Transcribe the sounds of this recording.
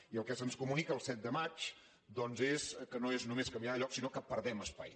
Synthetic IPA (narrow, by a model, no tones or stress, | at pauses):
iəlˠkɛsənskumunikəːlˠsɛt̪̚d̪əmat͡ʃ | d̪ɔnzeskənoeznumeskəmbiaðəʎɔksinokəpəɾðɛməspa̰j